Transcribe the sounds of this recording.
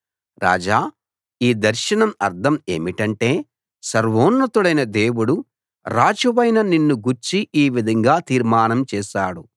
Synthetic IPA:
ɾa̰ːd͡ʒaː | iːd̪ɐɾʃɐnɐmɐ̰ɾd̪ʰɐme̞̰ːmiʈɐɳʈe̞ː | sɐɾʋoːnːɐt̪uɽɐjnɐd̪e̞ːwuɽu | ɾaːd͡ʒuʋɐjnɐninːuɡuɾt͡ʃiʔiːʋid̪ʱɐŋɡaːt̪iːɾmaːnɐmt͡ʃɛːʃaːɽu

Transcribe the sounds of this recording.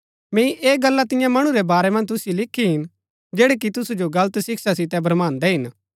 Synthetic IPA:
mɛ̃ːĩʔeːɡɐlːat̪ɪjãmɐɽ̃uɾɛbaːɾɛmɐ̃nd͡ʒt̪̬ʊsjilɪkʰːiɦɪn | d͡ʒeːɽek̬it̪ʊsud͡ʒoɡɐlət̪sɪksasɪt̪ɛbɐɾmãːnd̪ɛɦɪn

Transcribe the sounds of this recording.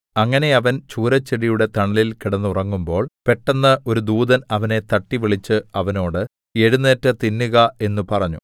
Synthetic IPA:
ɐŋːɐne̞ɐʋɐnt͡ɕuːɾɐt͡ɕːeɽijuɽe̞t̪ɐɳɐlilkiɽɐnːurɐŋːumbo̞ːɭpe̞ʈːɐnːɐʔo̞ɾud̪uːðɐnɐʋɐne̞t̪ɐʈːiʋiɭit͡ɕːɨɐʋɐno̞ːɽɨ | e̞ɻunːeːtːɐt̪inːuɣɐe̞nːupɐrɐɲːṵ

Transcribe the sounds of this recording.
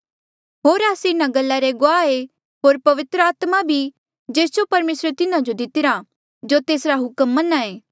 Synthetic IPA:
ɦoːɾaːsinaɡɐlːaɾeɡoaːe | ɦoːɾpɐʋɪt̪ɾəaːt̪mabʱi | d͡ʒeːsd͡ʒopɐɾmeːsɾet̪ɪnãd͡ʒod̪ɪt̪ɪɾa | d͡ʒoːt̪eːsɾaɦʊkəmːɐnaeː

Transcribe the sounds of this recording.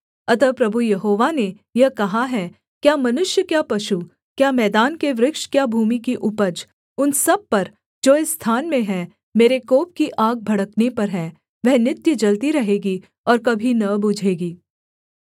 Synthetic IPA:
ɐt̪əpɾɐbʱujɐɦoːʋane | jɐɦkɐɦaɦɛ | kjaːmɐnʊʃjəkjaːpɐʃu | kjaːmɛːd̪aːnkeʋɾɪkʃkjaːbʱuːmikiʔʊpəd͡ʒ | ʊnsɐb̚pɐɾ | d͡ʒoːɪsːt̪ʰaːnmẽɦɛ̃ | meːɾekoːp̚kiʔaːɡ̚bʱɐɽəknepɐɾɦɛ̃ː | ʋɛɦnɪt̪jəd͡ʒɐlt̪iɾɐɦeːɡi | ɔːɾkɐbʱinɐbʊd͡ʒʱeːɡiː

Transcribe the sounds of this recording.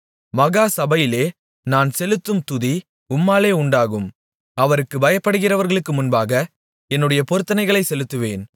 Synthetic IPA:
mɐɣaːsɐbɐjɪleː | naːnsɛlɯt̪ːɯmt̪ʊði | ʊmːaːleːʊɳɖaːɣɯm | ɐʋɐɾɯkːɯbɐjɐpːɐɽɯɣɪrɐʋɐɾɣɐɭɯkːɯmʊnbaːɣɐ | ɛnːɯɽɐjɐpɔɾɯt̪ːɐnɐɪɣɐɭɐɪsɛlɯt̪ːɯʋeːn

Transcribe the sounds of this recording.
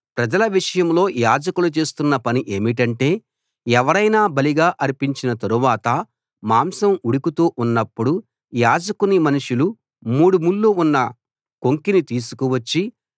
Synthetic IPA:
pɾɐd͡ʒɐlɐʋiʂɐjɐmlo̞ːjaːd͡ʒɐkulut͡ʃe̞ːst̪unːɐpɐniʔe̞ːmiʈɐɳʈe̞ː | ɛʋɐɾɐjnaːbɐliɡaːʔɐɾipiɲt͡ʃinɐt̪ɐɾuʋaːt̪ɐ | maːmsɐmuɽikut̪uːʔunːɐpːuɽu | jaːd͡ʒɐkunimɐnuʂulu | muːɽumulːuunːɐ | ko̞ŋkinit̪iːsu̥kuʋɐt͡ʃːi

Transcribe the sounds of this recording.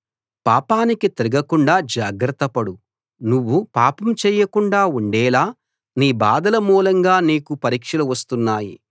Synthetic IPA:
paːpaːnikit̪eɾiɡɐkuɳɖaːd͡ʒaːɡɾɐt̪ːɐpɐɽu | nuʋːupaːpɐmt͡ʃɛːjɐkuɳɖaːuɳɖɛːlaː | niːbaːd̪ɐlɐmuːlɐŋɡaːniːkupɐɾiːkʂɐluʋɐst̪unːaːjḭ

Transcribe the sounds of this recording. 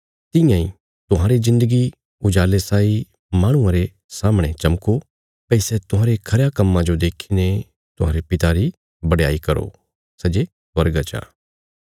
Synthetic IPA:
t̪ɪ̃jãːĩ | t̪ʊɦãːɾezɪ̃nd̪əɡi | ʊd͡ʒaːlesaːi | mãːɽ̃ʊ̃ãɾe | saːmɽ̃et͡ʃɐmko | pɐisɛt̪ʊɦãːɾekʰɐɾjakɐmːãd͡ʒod̪eːkʰine | t̪ʊɦa̰ːɾepɪt̪aɾi | bɐɽja̰ːikɐɾo̰ | sɛd͡ʒe | swɐɾɡat͡ʃã̰ː

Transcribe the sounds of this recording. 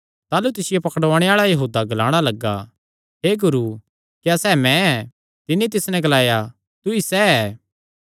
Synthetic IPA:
t̪aːlut̪ɪsɪjepɐkɽʋaːɽ̃eaːɭajɐɦuːd̪aɡɐlaːɽ̃alɐɡːa̰ | ɦeːɡʊɾu | kjasɛːmɛ̃ɛ | t̪ɪnit̪̬ɪsnɛ̃ɡɐlaːja | t̪ʊisɛɛː

